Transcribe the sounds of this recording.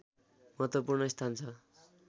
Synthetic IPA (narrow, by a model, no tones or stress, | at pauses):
mʌɦʌt̪wʌpurnʌist̪ʰant͡sʰʌ